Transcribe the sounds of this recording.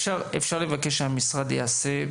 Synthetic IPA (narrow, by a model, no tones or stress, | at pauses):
ʃaʁefʃaʁle̞vakeʃehamisʁad̪jḛase